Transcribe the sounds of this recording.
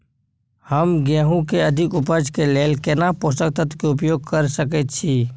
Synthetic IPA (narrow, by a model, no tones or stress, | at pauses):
həmɡɛːɦũkeəd̪ʱɪkʊpəɾd͡ʒkeleːlkenapost̪ək̚t̪ət̪keʊp̬joːɡ̚kəɾsəket̪̚t͡ʃʰiː